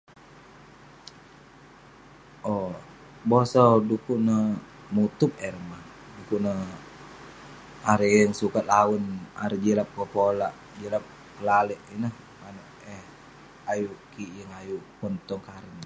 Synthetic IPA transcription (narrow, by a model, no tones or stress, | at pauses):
ʔɔ | bosɔdukuʔnə | mut̪up̚ɛrma | dukunə | aɾijəŋsukat̪̚lawəna̰ɾid͡ʒilap̚kopolaʔ | d͡ʒilap̚ | kəlalɛʔinəh | mano | ɛh | ajuʔkiʔjəŋajupɔnt̪ɔŋkaɾən